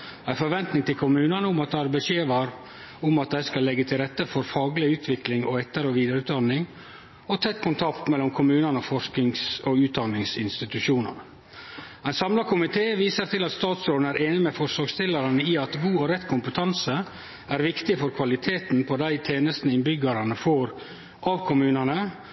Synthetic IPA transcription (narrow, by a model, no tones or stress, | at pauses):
æɪfɔɾʋɛnt̪nɪŋt̪ʰɪlkʰʊmʉːnənəʊmɑt̪̚d̪æɪæɾbəʃeːʋɑːɾ | ʊmɑt̪̚d̪æɪskɑlːɛɡːət̪ʰɪlɾɛt̪ːəfɔɾfɑːɡlɪʉːt̪ʰʋɪklɪŋɔɛt̪ːəɾɔʋiːd̪əɾʉt̪d̪ɑnːɪŋ | ɔt̪ʰɛt̪ːkʰʊnt̪ʰɑkt̪mɛlːɔmkʰʊmʉːnənəɔfɔɾʂkɪŋsɔʉːt̪̚d̪ɑnːɪŋsɪnst̪ɪt̪ʉʃuːnə̰nə | æɪnsɑmlɑkʰʊmɪt̪ʰeːʋiːsəɾt̪ʰɪlɑt̪st̪ɑːt̪sɾoːd̪n̩æːɾʔeːnɪmɛfɔɾʂɔːɡst̪ʰɪləɾɑnəiɑt̪ɡuːɔɾɛt̪ːkʰʊmpət̪ʰɑnsə | æɾʋɪkt̪ɪfɔɾkʰʋɑlɪt̪ʰeːt̪npʰɔd̪æɪt̪ʰeːnəst̪n̩ɪnbʏɡəɾɑnəfoːɾ | ʔɑʋkʰʊmʉːnɑnə